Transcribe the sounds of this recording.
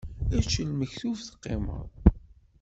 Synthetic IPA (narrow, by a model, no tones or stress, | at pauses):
æt͡ʃːəlməçθuvθə̥qːḛmə̰ðˤ